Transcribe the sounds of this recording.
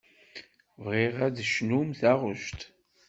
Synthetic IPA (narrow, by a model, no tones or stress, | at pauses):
vʁiʁæðʃnumθæʁəʃt̪